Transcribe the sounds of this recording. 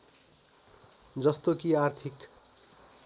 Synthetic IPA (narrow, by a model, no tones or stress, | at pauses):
d͡zʌst̪okiart̪ʰik